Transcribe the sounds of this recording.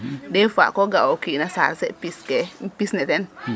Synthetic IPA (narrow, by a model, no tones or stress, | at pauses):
defa̰koɡaokinasa̰ɾsepiskepisnɛtɛn